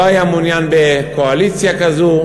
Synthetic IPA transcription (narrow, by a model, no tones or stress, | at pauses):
ajamunjanbɛkɔalisiakazu